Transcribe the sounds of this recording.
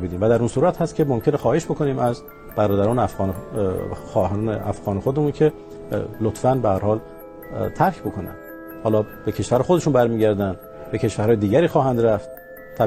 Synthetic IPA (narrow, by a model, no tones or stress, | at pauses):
bid̪iːmvæd̪æɾunsuːɾæt̪hæst̪kʰʲe̞momkʲcʰenexɒːhe̞ʃbo̞kʰo̞niːmæz | b̥æɾɒːd̪æɾɒːnfɣn | xːheʔæ̰fɣɒːnexod̪emuːncʰe̞ | lot̪fænbehæɾhɒːl | t̪ʰæɾkʰbo̞kʰo̞næ̰n | hɒːlɒːb̥e̞cʰe̞ʃvæɾexod̪e̞ʃuːnbæɾmiːɟæɾd̪ænd̪ | be̞cʰe̞ʃvæɾhɒːje̞d̪iːɡæɾiːxɒːɦænd̪ɾæft̪̚ | t̪ʰːæ